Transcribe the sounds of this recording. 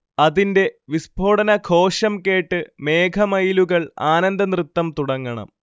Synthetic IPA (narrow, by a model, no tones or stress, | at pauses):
ɐðinde̞ʋisbʱo̞ːɽɐnɐkʰo̞ːʂɐmke̞ːʈːɨme̞ːkʰɐmɐjluɣɐɭaːnɐnd̪ɐnrɨt̪ːɐmt̪uɽɐŋːɐɳɐ̰m